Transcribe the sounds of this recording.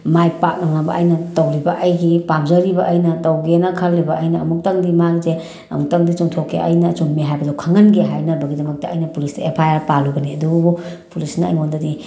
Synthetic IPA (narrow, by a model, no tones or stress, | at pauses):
majpaŋabɐ̰ʔɐjnɐtɐwlibɐʔɐjɡipamzɐɾibɐʔːjnɐtɐwɡenɐkʰɐlːibɐʔɐjnɐːmuk̚tɐŋdimaɡize | ɐ̰muk̚tɐŋdit͡ʃuŋtʰokːeɐ̰jnɐt͡ʃunmiɦajbɐdɐwkʰɐŋɐnɡeɦajnɐbɐɡidɐmɐk̚tɐːjnɐpulistɐepʰajaɾpaluɡɐniɐdububu | pulisnɐɐ̰jŋondɐdi